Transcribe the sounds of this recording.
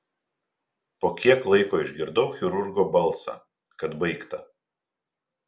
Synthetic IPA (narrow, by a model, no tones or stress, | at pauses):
poːkʲiɛklˠɐɪkoːɪʒʲɡʲɪɾd̪ɐʊxʲɪɾʊɾɡoːbɐlˠˑsɑ̰ː | kɐt̪bɐɪkt̪ɐ